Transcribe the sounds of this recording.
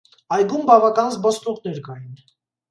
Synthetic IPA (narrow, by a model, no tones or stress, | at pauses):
ɑjɡumbɑvɑkɑnzbɔst̪uʁnɛɾkɑjin